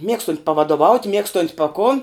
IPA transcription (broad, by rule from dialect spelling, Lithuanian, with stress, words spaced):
ˈmʲiɛkstʊnʲtʲ pɐʋɐdoːˈʋɐʊtʲ ˈmʲiɛkstoːnʲtʲ pɐ koːn